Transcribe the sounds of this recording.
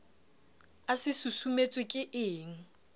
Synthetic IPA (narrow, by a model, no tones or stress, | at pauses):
asɪsusumet͡sʼwɪkʼɪʔɪːŋ̩